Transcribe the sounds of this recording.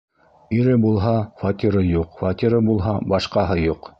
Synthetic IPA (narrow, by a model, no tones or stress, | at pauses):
iɾɘbulˠɦɑfat̪ʲiɾɤjuqfat̪ʲiɾɤbulˠɦɑbɑʃqɑɦɤjuq